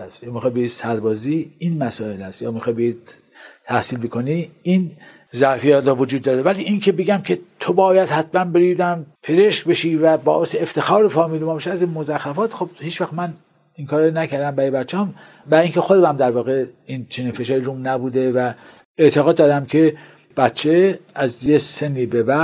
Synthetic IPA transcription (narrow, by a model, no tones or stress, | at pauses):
æsjɒːmixɑːjbejiːd̪̥sæɾbɒːziːinmæsɒːelæst̪jɒːmixɑjbejid̪̚ | t̪ʰæhsiːlbekʰoniin | zæɾfijæːt̪ɾɔvod͡ʒuːd̪ːɒːɾevæliːʔincʰebeɡæmkʰe̞t̪ʰobɒːjæd̪hæt̪ʰmænbeɾid̪æmpʰe̞zeʃkbe̞ʃiːvæbɒ̰ːʔeseeft̪ʰe̞xɒːɾefɒːmiːlomɑːbeʃæzinmozæxːæfɒːt̪xob̥̚hiːt͡ʃvæxmæn | iŋkʰɒːɾenæcʰæɾd̪æmbæɾibæt̪t͡ʃʰːɑm | bæiːŋcʰe̞xod̪emæmd̪æɾvɒːɣe̞int͡ʃʰeninfe̞ʃɑːɾiɾumnæbuːd̪evæ | et̪ʰeɣɒːd̪ːɒːdɾæmkʰe | b̥æt̪t͡ʃʰeæzjese̞nːiːbebæ